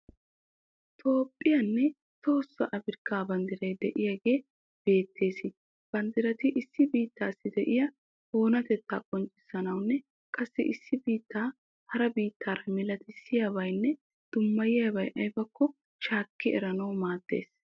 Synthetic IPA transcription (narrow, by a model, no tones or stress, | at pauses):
t̪ʰo̞ːpʼːɪjɐnːɛ | t̪o̞ːsːɐʔɐbɪɾkːaːbɐnd̪ɪɾɐjd̪ɛʔɪjaɡe̞ː | b̥e̞ːt̪ʰːe̞ːsɪ | b̥ɐnd̪ɪɾɐt̪ɪʔɪsːɪbiːt̪ːaːsːɪd̪ɛʔɪjɐ | hoːnɐt̪ɛt̪ːa̰ːkʼɔnt͡ʃʼːɪ̥sːɐnɐwnːɛ | kʼɐsːɪʔɪsːɪbiːt̪ːaː | hɐɾɐbiːt̪ːaːɾɐmɪlɐt̪ɪsɪjaβɐjnːɛ | d̪̥ʊmːɐjɪjɐbɐjʔɐjbɐkːɔ | ʃaːkːɪɛ̰ɾɐnɐwmaːd̪̥ːe̞̰ːs